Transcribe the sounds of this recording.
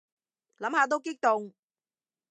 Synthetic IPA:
la˨˥˦mhaː˨˩t̪̬o˧˥wki˦˥k̚t̪ʊ˨˩ŋ

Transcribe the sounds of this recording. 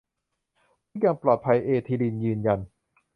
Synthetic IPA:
ɯ˥jaː˧ŋplɔː˨˩t̪̚pʰa˧jʔeː˧t̪ʰiː˧li˧njɯː˧nja˧n

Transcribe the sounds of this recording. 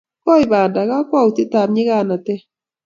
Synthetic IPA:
kɔ˦ɪ˨ba˨nda˨ɣa˦kɔ˦u˨ti˦ta˨p̚ɲɪ˦ɣa˦˨na˨tɛ˦

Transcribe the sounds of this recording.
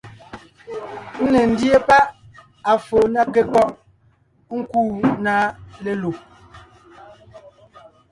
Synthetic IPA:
n̩˦ne˨n̩˦dje˦pa˦ʔ | a˨fo˨na˦ke˨kɔ˦ʔ | ŋ̩˦kuː˦˨na˦le˦˨lo˨

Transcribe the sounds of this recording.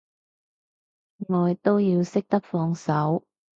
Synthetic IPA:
ŋɔː˨˧jɪ˨k̚t̪o˥wjiː˧wsɪ˥k̚t̪ɐ˥k̚fɔː˧ŋsɐ˨˥w

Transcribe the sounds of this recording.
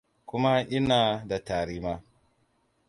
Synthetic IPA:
kʷʊ˦ma˦ʔɪ˦naː˨da˨taː˨ɾiː˦ma˦

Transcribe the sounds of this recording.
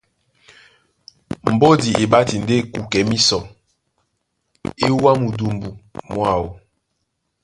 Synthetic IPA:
m̩˨bo˦di˨ʔi˨ba˦ti˨n̩˨de˦˨ku˨kɛ˨mi˦sɔ˨ | i˦wa˦mu˨du˨mbu˨mwa˦˨wo̰˨

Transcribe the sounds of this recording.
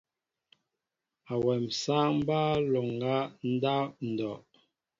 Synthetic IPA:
a˨wɛ˨msaː˦m̩˦ba˦lo˨ŋ˨ɡa˦n̩˦da˦n̩˨dɔ˨ʔ

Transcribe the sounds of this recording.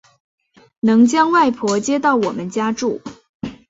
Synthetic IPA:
nɤ˧˥ŋt͡ɕjɑ˥ŋwa˥˩ɪpʰwɔ˧˥t͡ɕjɛ˥t̪ɑ˥˩ʊwɔ˨˩mə˦nt͡ɕja˥ʈ͡ʂu˥˩

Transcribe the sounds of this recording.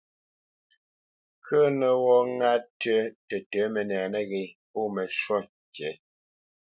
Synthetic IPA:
kʰə˦nə˨wɔ˦ŋa˦tə˦tə˨tə˨˦mɛ˨nɛː˨nə˦ɣe˨po˦˨mɛ˨ʃwɔ˦ | t͡ʃɛ˨˦

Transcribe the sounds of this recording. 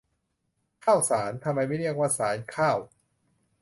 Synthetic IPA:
kʰaː˥˩wsaː˩˦nt̪ʰa˧mːa˧jma˥˩ɾi˥˩ək̚waː˥˩saː˩˦nkʰaː˥˩w

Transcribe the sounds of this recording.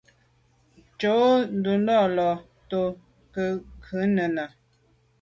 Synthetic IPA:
t͡ʃo˨˦n˦du˨ndɔ˦˨lɔ˨ | to˨ | kə˦ʔŋkʰʉ˨˦nə˨na˨

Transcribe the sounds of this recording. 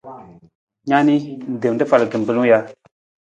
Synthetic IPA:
ɲa˦ni˦n˨d̪ə˨ndə˦fa˨lə˨kə˨mbə˨lu˦ŋja˨

